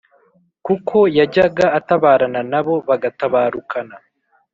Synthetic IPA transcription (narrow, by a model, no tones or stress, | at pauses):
kukʰo̞jaɟaɡaːtaβaːɾananaβo̞βaɡataβaːɾukʰana